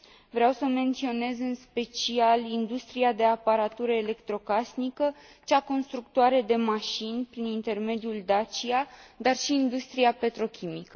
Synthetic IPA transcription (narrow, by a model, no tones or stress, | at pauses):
vɾeawsəme̞nt̪sio̞ne̞zɨnspe̞t͡ʃialind̪ust̪ɾiad̪e̞apaɾat̪uɾəele̞kt̪ɾo̞kasnikə | t͡ʃako̞nst̪ɾuk̚t̪oaɾe̞d̪e̞maʃinʲpɾinint̪e̞rme̞d̪juld̪at͡ʃiad̪arʃiːnd̪ust̪ɾiape̞t̪ɾo̞kʲʰimikə